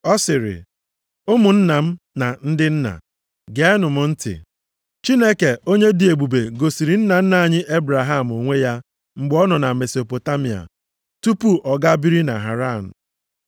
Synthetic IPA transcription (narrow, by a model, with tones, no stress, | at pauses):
ɔ˦sɪ˨ɾɪ̰˨ | ʊ˦mʊ˨n̩˦na˨m̩˦ | na˨n̩˦dɪ˦n̩˦na̰˨ | ɡe˨ɛ˦nʊ˨mʊ˦n̩˦tɪ̰˨ | t͡ʃi˦ne˦ke˨ʔo˦ɲe˦di˨e˨ɡ͡bu˨be˨ɡo˨si˨ɾi˨n̩˦na˨n̩˦na˨a˨ɲɪ˦ʔe˦bɾa˨ɦa˦˨m̩˨o˨ŋʷe˦ja˦ | ŋ͡m̩˨ɡ͡bɔ˦nɔ˨na˨me˨so˨po˨ta˦mi˨a̰˨ | tu˦pu˦ʔɔ˨ɡa˦bi˦ɾi˦na̰˨ɦa̰˨ɾa˦˨n̩˨